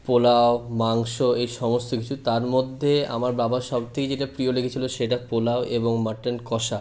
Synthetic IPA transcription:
polaomaŋʃoejʃɔmost̪okit͡ɕʰut̪aɾmod̪ʱːea̰maɾbabaʃɔb̚t̪ʰeked͡ʑeʈapɾiolekʰet͡ɕʰiloʃeʈapolaoʔeboŋmaʈenkɔʃa

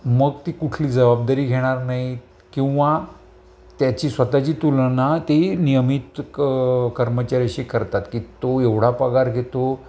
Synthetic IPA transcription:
məɡt̪ikuʈʰliːd͡zəbab̚d̪aɾiːɡʱeɽ̃aɾnaɦi | kĩw̃ʋa | t̪jat͡ɕiːsʋət̪at͡ɕiːt̪ulnat̪enijəmiːt̪ | kəɾmət͡ɕaɾəɕiːkəɾt̪at̪kit̪oeʋɽ̤apəɡaɾɡʱet̪o

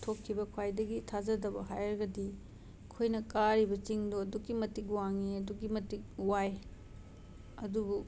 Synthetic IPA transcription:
tʰokʰːibɐkʰwajdɐɡitʰazɐdɐbɐɦajɾɐɡɐdi | kʰojnɐkaɾibɐt͡ʃiŋdoɐdukːimɐtik̚waŋiɐduɡimɐtik̚waj | ɐdubu

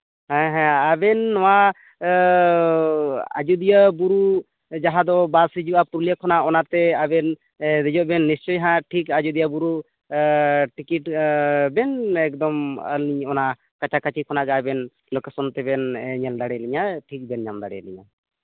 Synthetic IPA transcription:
ɦɛ̃ɦɛ̃abɛnːɔwa | a̰d͡ʒud̪ijəbuɾu | d͡ʒaɦãd̪ɔbasid͡ʒuapuɾlijakʰɔnaɔnat̪ɛabɛn | d̪ɛd͡ʒɔʔbɛnːist͡ʃɔjɦãʈʰikad͡ʒud̪ijabuɾu | ʈikiʈbɛnɛk̚d̪ɔmə̰lniɲɔna | kat͡ʃakat͡ʃikʰɔnaɡɛabɛn | lɔkesɔnt̪ɛbɛnɲɛld̪aɽɛliɲaʈʰik̚bɛnɲamd̪a̰ɽɛ̰lḭɲa̰

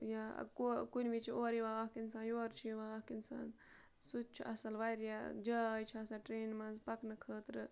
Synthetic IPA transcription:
ja̰kokunʲʋit͡ʃʰioːɾiʋaːkinsaːnjoːɾt͡ʃʰiʋaːkinsa̰ːn | sut̪t͡ʃʰiʔɐsɐlʋajɾjad͡ʒɐjt͡ʃʰiɐsɐʈɾeːnmɐnzpɐknɨkʰəːt̪ɾɨ

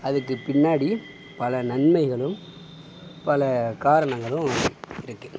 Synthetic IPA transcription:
ɐðɯkːɯpɪɳːaːɽi | pɐlɐnɐnmɐɪɣɐɭɯm | pɐlɐkaːɾɐɳɐŋɡɐɭɯ̃ɪɾɯkːɯ

